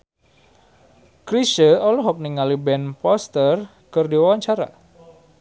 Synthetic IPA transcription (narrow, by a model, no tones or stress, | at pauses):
kɾiʃəɔlɔɦɔk̚niŋalibɛnpɔst̪ər | kɨrdiwawaɲt͡ʃaɾa̰